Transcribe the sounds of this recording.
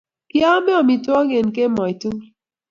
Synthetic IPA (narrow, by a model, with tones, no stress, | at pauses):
ki˦a˦me˦ɔ˨mi˨twɔ˦ŋe˨nke˦mɔ˨i˨tu˦ŋ